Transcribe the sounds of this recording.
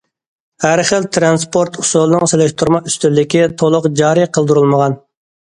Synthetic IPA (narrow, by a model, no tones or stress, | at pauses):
hæɾχəlt̪ʰɾɑnspʰoɾt̪ʰu̥sulˠɨnɨŋselɪʃt̪ʰuɾmɑyst̪ylːɪkʲit̪ʰolˠʊqd͡ʒɑːɾɨjqʰəlˠd̪uɾulˠməʁɑn